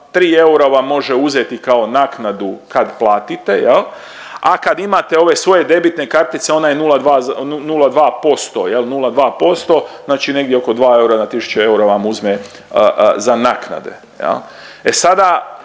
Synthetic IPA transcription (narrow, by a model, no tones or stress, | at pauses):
t̪ɾiːe̞uɾaʋamːo̞ʒeuzet̪ikao̞naknad̪ukad̪plˠaːt̪it̪e̞jel | a̰kad̪imat̪e̞o̞ʋe̞sʋo̞je̞d̪e̞bit̪ne̞kaɾt̪it̪se̞o̞najenulˠad̪ʋaːunulad̪ʋaːpo̞st̪o̞jelnulad̪ʋaːpo̞st̪o̞znaːt͡ʃine̞ɡd̪jeo̞ko̞d̪ʋaːe̞uɾanat̪isu̥t͡ʃee̞uɾaʋamuzme | əzanakna̰d̪e̞̰ | jḛl | esad̪a